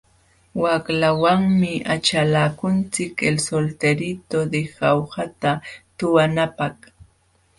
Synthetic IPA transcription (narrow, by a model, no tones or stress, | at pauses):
waklawaŋmɪat͡ʃalaːkʊnt͡sɪkelsolt̪eɾɪt̪od̪ehawhat̪at̪ʊwanapɑχ